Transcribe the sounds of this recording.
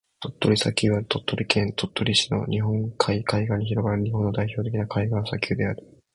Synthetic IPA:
t̪o̞t̪ːo̞ɾʲisakʲɨːβat̪ʰo̞t̪ːo̞ɾʲikʰẽ̞nt̪o̞t̪ːo̞ɾʲiɕino̞̰ɲʔiɦõ̞ŋkʰaikaiɡãɲ̟içiɾo̞ɡaɾɯ̟ɲ̟iɦõ̞nːod̪aiço̞ːt̪ekʲinakʰaiɡãsakʲʰɨːd̪e̞aɾɯ̟

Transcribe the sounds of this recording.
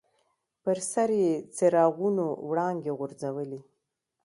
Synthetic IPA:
pəɾsaɾjet͡seɾɑɣunowɽɑŋɡeɣʊɾd͡zawəli

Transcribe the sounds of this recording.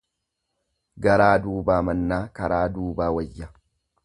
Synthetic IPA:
ɡɐɾaːd̪uːbaːmɐnːaːkɐɾaːd̪uːbaːwɐjːa

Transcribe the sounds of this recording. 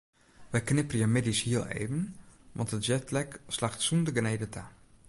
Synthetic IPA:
ʋɛjknɪpərjamɪdishiəlˠḛːvənʋɑ̰ntətd͡ʒɛtlɛkslaxtsundəɡnejdətʰa

